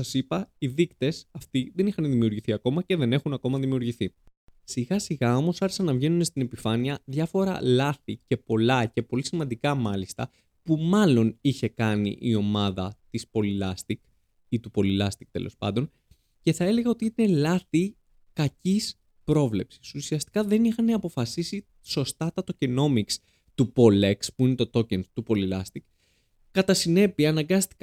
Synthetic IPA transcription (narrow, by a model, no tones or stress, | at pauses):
ɐsipɐiðikt̪e̞sɐft̪iðe̞nixɐnðimiuɾʝiθiɐko̞mɐce̞ðe̞ne̞xunɐko̞mɐðimiuɾʝiθisiɣɐsiɣɐo̞mo̞sɐɾçe̥sɐnːɐvʝe̞nune̞st̪ine̞pifɐniɐðʝɐfo̞ɾɐ̰lɐθice̞po̞lɐce̞po̞lisimɐnd̪ikɐmɐlist̪ɐ̰ | pumɐlo̞niçe̞kɐnḭʔio̞mɐðɐt̪ispo̞lilɐst̪ik | it̪upo̞lilɐst̪ik̚t̪e̞lʔo̞̰spɐ̰nd̪o̞n | ce̞θɐe̞le̞ɣɐo̞t̪iine̞lɐθi | kɐcis | pɾo̞vle̞psi̥susiɐst̪i̥kɐðe̞nixɐneɐpo̞fɐsisi | so̞st̪ɐt̪ɐt̪o̞ceno̞miks | t̪upo̞lekspuine̞t̪o̞t̪o̞cent̪upo̞lilɐst̪ik | kɐt̪ɐsine̞piɐːnɐŋɡɐst̪i̥k